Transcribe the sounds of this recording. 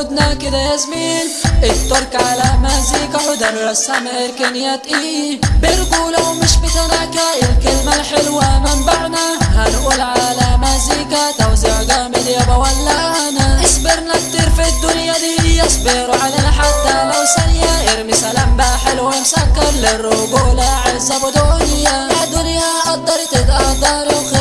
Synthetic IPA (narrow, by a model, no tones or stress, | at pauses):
ʊd̪nakɪd̪ajazmiːnʔɪt̪ːʊɾˤkʕalamaziːkaħʊd̪anasːamaʔɪɾkɪlnːɪjat̪ʔibɪɾɡulawmɪʃbɪt̪anakaʔɪlkɪlmalħɪlwamɪmbaʕnahanʔulʕalamazikat̪awzɪʕɡaːmɪljabawalːaanaʔɪsbɪɾnat̪ːiɾfid̪ːʊnjad̪iɪjːɑsbɪɾʕaleːnaħat̪ːalawsanjaʔɪɾmɪsalambaħɪlwamsakːɑɾˤlɪrːʊɡʊːlaʕɪlzabʊd̪ʊnjamad̪ʊnjaʔɑd̪ˤɑɾˤt̪ɪt̪ʔɑhd̪ˤɑɾɪq